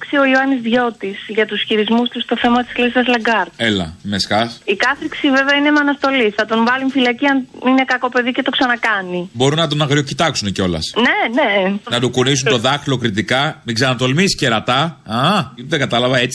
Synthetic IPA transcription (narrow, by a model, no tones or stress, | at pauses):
ksio̞ioɐnizðʝo̞t̪isʝɐt̪usçiɾizmust̪ust̪o̞θe̞mɐt̪i̥slisɐzlɐŋɡɐɾt̪̚elɐ̰meskɐsikɐθɾiksive̞veɐinemɐnɐst̪o̞liθɐt̪o̞ɱvɐliɱfilɐciɐnine̞kɐko̞pe̞ðice̞t̪o̞ksɐnɐkɐnibo̞ɾunɐt̪̬o̞nɐɣɾiocit̪ɐksuneceo̞lɐ̰sne̞nenɐd̪ukunisunt̪o̞ðɐxlo̞kɾit̪ikɐmikzɐnɐt̪o̞lmisceɾɐt̪ɐɐt̪eɡɐt̪ɐlɐvɐe̞t͡si